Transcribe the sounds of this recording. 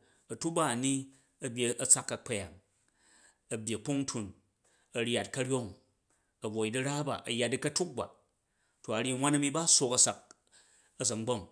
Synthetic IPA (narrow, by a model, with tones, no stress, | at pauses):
ɐ˨tu˦ba˦ɐ˨ni˦ | ɐ˦bʲje˨ɐ˦˨t͡sa˦kːɐ˨k͡pɐ˦ja˨ŋ | ɐ˨bʲje˨k͡pu˦ŋ˦tʰu˨n | ɐ˨ɾʲa˨t̚kɐ˦ɾʲjo˦ŋ | ɐ˨bo˨i˨di˦ɾa˦ba̰˨ʔɐ˨ja˨t̚di˦kɐ˦tu˦k̚ba̰˨ | to˨a˨ɾʲi˦ŋʷa˦nɐ˦mi˦ba˦so˧kɐ˦sa˨k̚ | ɐ˦˨zɐ˨ŋ˦ɡ͡bo˦˨ŋ